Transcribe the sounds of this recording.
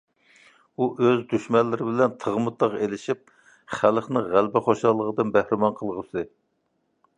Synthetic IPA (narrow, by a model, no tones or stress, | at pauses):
uʔøzd̪yʃmɛlːɪɾɪbɪlɛnt̪ʰəʁmɨt̪ːɑʁelɪʃip̚ | χælχnɪʁælbɪχoʃɑlˠːəʁəd̪ɨnbæhɾɪmɑnqʰəlˠʁəsɨ